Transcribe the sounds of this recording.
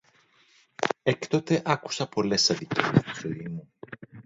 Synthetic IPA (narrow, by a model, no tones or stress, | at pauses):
ekt̪o̞t̪e̞ʔɐku̥sɐpo̞le̞sɐðicest̪u̥soimu